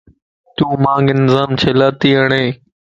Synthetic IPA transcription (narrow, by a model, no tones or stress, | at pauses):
t̪uːmãːŋɡɪnɪzaːmt͡ʃʰelaːt̪iːɦəɳeː